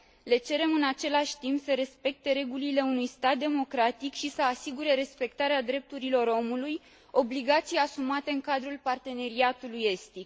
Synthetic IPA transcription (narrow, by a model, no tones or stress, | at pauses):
le̞t͡ʃe̞ɾe̞mɨnat͡ʃe̞laʃʲt̪impsəɾe̞spe̞k̚t̪e̞ɾe̞ɡulile̞unujst̪at̪̚d̪e̞mo̞kɾat̪ikʃisəasiɡuɾe̞ɾe̞spe̞k̚t̪aɾead̪ɾe̞p̚t̪uɾilo̞ɾo̞muluj | o̞bliɡat̪sijasumat̪e̞ɨŋkad̪ɾulpart̪e̞ne̞ɾiat̪uluje̞st̪ik